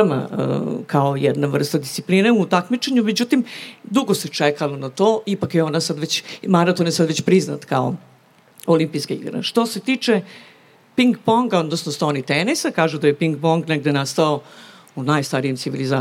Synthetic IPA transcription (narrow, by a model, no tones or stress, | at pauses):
ma̰ə̰kaojɛd̪naʋr̩st̪ad̪ist̪siplineut̪akmit͡ʃeɲumed͡ʑut̪imd̪uɡose̞t͡ʂekalonat̪oːipakjeonasad̪ʋet͡ɕmaɾat̪onjesad̪ʋet͡ɕpɾizna̰t̪kao̞̰ | olimpijskaḭɡɾḛʃt̪o̞se̞t̪iːt͡ʂe | piŋɡpoŋɡaod̪nosnost̪aonit̪enisakaːʒud̪ajepiŋɡ̚poŋɡneɡd̪enast̪ao | unajst̪aɾijemsiʋiliza